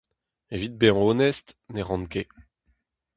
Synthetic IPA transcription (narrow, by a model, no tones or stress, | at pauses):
evit̪̚beɑ̃oːnɛst̪neʁɑ̃nke